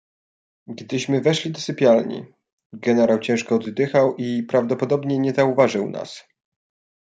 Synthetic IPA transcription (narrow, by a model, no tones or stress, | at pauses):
ɡd̪ɘɕmɘvɛʂlʲid̪ɔsɘpʲjalɲḭ | ɡɛnɛɾawt͡ɕɛ̃w̃ʂkɔːd̪d̪ɘxawʔipɾavd̪ɔpɔd̪ɔbɲɛɲɛzauvaʐɘwna̰s